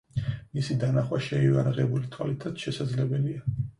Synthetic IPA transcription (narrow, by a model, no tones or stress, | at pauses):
misid̪anaχwaʃɛia̰ɾaʁɛbulit̪ʰwalit̪ʰad̪̥ʃɛsad̪zlɛbɛlia